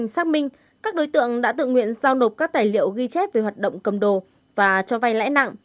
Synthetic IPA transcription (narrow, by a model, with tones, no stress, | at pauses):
ŋsaː˦˥k̚mï˧ŋ̟ | kaː˦˥k̚ɗo˨˦jt̪ɨ̰˧˨əŋɗa̰ː˧˥t̪ɨ̰˧˨ŋwḭ˧˨ənzaː˧wno˨˩p̚kaː˦˥k̚t̪aː˨˩jlḭ˧˨əwɣi˧t͡ɕɛ˦˥t̚ve˨˩hwaː˨˩t̚ɗə̰˧˨wŋ͡mkə˨˩mɗo˨˩ | vaː˨˩t͡ɕɔ˧va˧jla̰ː˧˥jna̰˧˨ŋ